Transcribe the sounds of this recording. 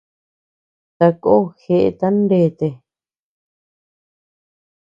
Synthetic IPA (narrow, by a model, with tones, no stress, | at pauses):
t̪a˧ko˦xe˧ʔḛ˧t̪a˦nɖe˧˨t̪e˧